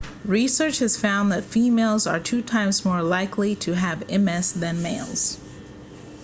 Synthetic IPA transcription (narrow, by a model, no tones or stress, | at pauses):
ɹisɜ˞t͡ʃhɨz̥fãʊ̃nðɨtfimeɪlˠzə̰˞tʰʉtʰãɪ̃mzmɔɹlaɪkʰliɾʰɨɨvɛ̃mɛsðɨ̃nmeɪlˠz̥